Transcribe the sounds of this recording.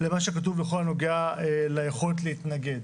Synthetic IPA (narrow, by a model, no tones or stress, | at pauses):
lemaʃekat̬uvleχolano̞ɡeaelajeχo̞let̪̬leit̪naɡe̞d̪